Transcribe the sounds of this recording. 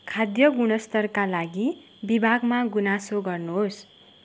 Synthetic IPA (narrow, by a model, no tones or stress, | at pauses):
kʰad̪jʌɡuɽ̃ʌst̪ʌrkalaɡi | bibʱaɡmaɡunasoɡʌrnuɦos